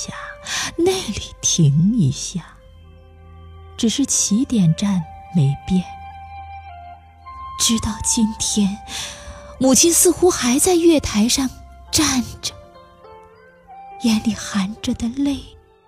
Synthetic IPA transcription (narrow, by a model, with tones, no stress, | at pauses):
ja˥˩ne˥˩ɪli˨˩t̪ʰi˧˥ŋi˧˥ɕja˥˩ | ʈ͡ʂɻ̩˨˩ʂɻ̩˥˩t͡ɕʰi˧˥t̪jɛ˨˩nʈ͡ʂa˥˩nme˧˥ɪpjɛ˥˩n | ʈ͡ʂɻ̩˥t̪ɑ˥˧ʊt͡ɕi˥nt̪ʰjɛ˥n | mu˨˩t͡ɕʰi˥nsɹ̩˥˧xu˥xa˧˥ɪt͡sa˥˧ɪɥɛ˥˩t̪ʰa˧˥ɪʂɑ˥˧ŋʈ͡ʂa˥˩nʈ͡ʂə̥˩ | jɛ˧˥nli˨˩xa˧˥nʈ͡ʂə˨˩d̪ə˨le˥˩ɪ